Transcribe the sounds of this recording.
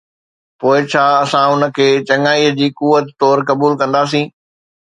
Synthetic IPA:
poːɪt͡ɕʰaːɐsãʊnə̆kʰeːt͡ɕɐŋaːiːəd͡ʑiːkuʋət̪t̪ɔːɾkɐbuːlkɐ̃nd̪aːs̬ĩː

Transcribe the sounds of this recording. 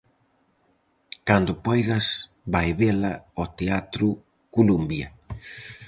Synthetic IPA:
kand̪ʊpɔjðɐs | bajβelɐɔt̪eat̪ɾu | kulumbjɐ

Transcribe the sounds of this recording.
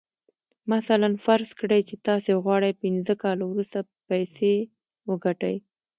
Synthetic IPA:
masalanfaɾskɽajt͡ʃet̪ɑseɣwɑɽajpɪnzəkɑlawɾust̪a | pajse | wəɡaʈa̰j

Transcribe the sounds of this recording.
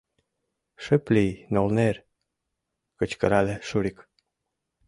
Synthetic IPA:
ʃəplijnolner | kə̆t͡ɕkə̆ɾɑleʃuɾik

